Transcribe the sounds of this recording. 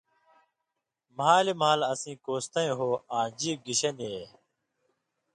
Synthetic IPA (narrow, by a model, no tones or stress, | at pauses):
maːlimaːləsĩːkoːst̪ə̃ẽːɦoːãːd͡ʒiːɡɪɕəneː